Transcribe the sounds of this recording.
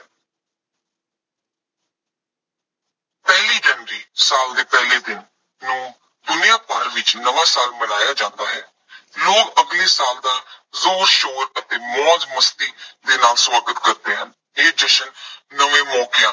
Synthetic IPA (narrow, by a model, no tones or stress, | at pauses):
pɛːliːd͡ʒənɾiːsaːld̪eːpɛːleːd̪ɪnː | ũː | d̪ʊnijãːpa̰ːɾʋɪt͡ʃnəʋãːsaːlməɽaːjaːd͡ʒãːnd̪aːɦɛː | loːkəɡleːsaːld̪aːzoːɾʃoːɾət̪eːmɔːzməst̪iːd̪eːnaːlswaːɡət̪kəɾt̪eːɦən | eːd͡ʒəʃənːəʋẽːmɔːkeãː